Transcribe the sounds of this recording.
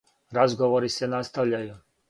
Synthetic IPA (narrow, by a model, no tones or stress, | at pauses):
ɾazɡo̞ʋoɾisenast̪aʋʎaju